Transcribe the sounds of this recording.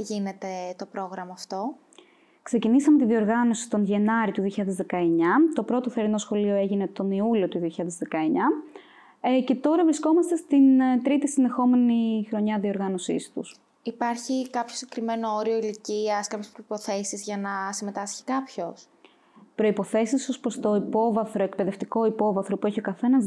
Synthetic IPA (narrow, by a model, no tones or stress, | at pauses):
ʝine̞t̪e̞t̪o̞pɾo̞ɣɾɐmɐːft̪o̞ | kse̞cinisɐme̞t̪iðio̞ɾɣɐno̞si̥t̪onʝenɐɾit̪uðio̞çiʎɐðezðe̞kɐeɲɐt̪o̞pɾo̞t̪oθeɾino̞sxo̞lio̞e̞ʝine̞t̪o̞niulio̞t̪uðioçiʎɐðe̞zðe̞kɐeɲɐ | ce̞t̪o̞ɾɐvɾisko̞mɐst̪e̞st̪int̪ɾit̪isinðe̞xo̞me̞nixɾo̞ɲɐðio̞ɾɣɐno̞sḭst̪ṵs | ipɐɾçikɐpçosiɟe̥kɾime̞nooɾio̞iliciɐskɐpçespɾoipo̞θe̞sizʝɐnɐsime̞t̪ɐsçi̥kɐpço̞s | pɾo̞ipo̞θe̞siso̞spɾost̪o̞ipo̞vɐθɾo̞ekpe̞ðeft̪iko̞ipo̞vɐθɾo̞pueçio̞kɐθe̞nɐz